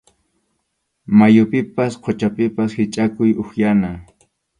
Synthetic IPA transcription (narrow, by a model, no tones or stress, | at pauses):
majʊpɪpasqʰot͡ʃapɪpashɪt͡ʃʼakʊjʊxjana